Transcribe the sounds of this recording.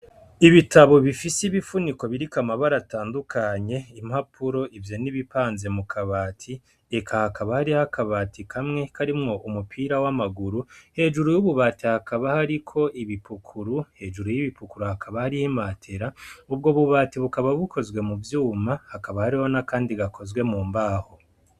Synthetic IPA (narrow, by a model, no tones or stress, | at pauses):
iβitʰaβo̞βifisiβifuniko̞βiɾikamaβaɾataːndukʰaɲe̞imhapʰuɾo̞ʔivjo̞niβipaːnze̞mukʰaβaːtʰi | ekʰahakaβahaɾihakaβaːtʰikʰamŋe̞kʰaɾimŋo̞ʔumupʰiːɾawamaɡuɾuhe̞ːʒuɾujuβuβaːtihakaβahaɾikʰo̞ʔiβipukʰuɾuhe̞ːʒuɾujiβipukuɾuhakʰaβahaɾihimatʰe̞ɾaubɡo̞βuβaːtiβukaβaβukʰo̞zɡwe̞muvjuːmahakaβahaɾiho̞nakaːndiɡakʰo̞zɡwe̞muːmbaːho